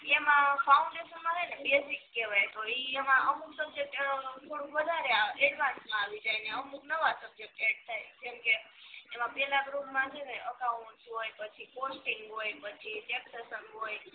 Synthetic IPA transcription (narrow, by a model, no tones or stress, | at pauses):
emãfaũɳɖeʃənmãk̪ʰajnebesikːeʋajt̪oiemãʔəmuksəb̚d͡ʒek̚ʈt̪ʰoɾũʋəd̪ʱaɾeaɛɖʋãnsmãaʋid͡ʒajneəmuknəʋasəb̚d͡ʒek̚ʈeʈ̚t̪ʰajd͡ʒemkeː | mãpɛlabɾuɡmãt͡ʃʰeneʔəkauɳsɦojpət͡ʃʰiposʈĩŋɡɦojpət͡ʃʰiʈepsesənɦoj